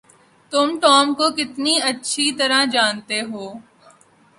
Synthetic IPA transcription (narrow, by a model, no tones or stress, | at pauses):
t̪ʊmʈɔːmkokɪt̪niɐtːʃʰit̪ɐɾad͡ʒaːnt̪eɦoː